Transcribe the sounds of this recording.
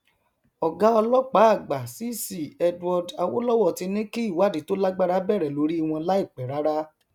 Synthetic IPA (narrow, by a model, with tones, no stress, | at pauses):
ɔ˨ɡa˦ɔ˧lɔ˦k͡pa˨˦˨ɡ͡ba˨si˦si˨ɛ˧dɔ˧da˧wo̰˦lɔ˦wɔ˦˨ti˧nĩ˦ki˦i˦˨wa˦˨di˨˦to˦la˦ɡ͡ba˦ɾa˦bɛ˦˨ɾɛ˨lo˧˦ɾi˦i˧˨w̃ɔ̃˧la˦i˦˨k͡pɛ˨ɾa˦ɾa˦